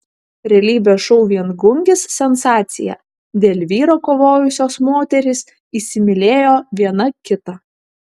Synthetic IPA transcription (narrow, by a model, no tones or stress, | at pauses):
ɾʲɛlʲiːbʲoːʃɔʊʋʲiɛnɡʊŋʲɡʲɪsːʲɛnsɑːt̪sʲɪ̰jɛ̰ | d̪ʲeːlʲʋʲiːɾoːkoːʋoːjʊsʲoːsmoːt̪ʲɛɾʲɪs | iːsʲɪmʲɪlʲeːjoːʋʲiɛnɐkʲɪt̪ɐ